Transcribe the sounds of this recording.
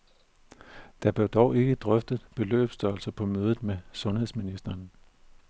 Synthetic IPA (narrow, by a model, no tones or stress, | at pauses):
d̥ɑb̥led̥ɒʊe̝ɡ̥əd̥ʁœfd̥əð̩ˠb̥e̝lø̰ːb̥sd̥ɶɐlsɐpʰɒ̽møːð̞ˠð̩ˠmesɔ̽nhe̝ðˠsminisd̥ɐːn